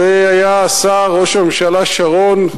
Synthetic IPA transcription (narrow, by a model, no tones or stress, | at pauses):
eajasaʁoʃemʃalaʃaʁon